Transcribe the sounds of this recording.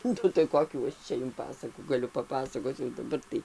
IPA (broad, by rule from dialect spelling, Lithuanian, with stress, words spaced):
ˈnʊ tɐɪ ˈkoːkʲuː ˈt͡ʃʲɛ jʊm ˈpɑːsɐkuː ɡɐˈlʲʊ pɐˈpɑːsɐkoːt͡s jɛʊ dɐˈbɐr tɐɪ